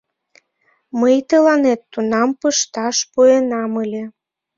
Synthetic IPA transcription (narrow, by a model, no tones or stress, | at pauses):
məjt̪əlɑnet̪ːunɑmpəʃt̪ɑʃpuenɑməlʲe